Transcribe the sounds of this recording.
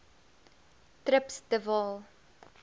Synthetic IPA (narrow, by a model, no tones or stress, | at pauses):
tɾəpsdəvɑːlˠ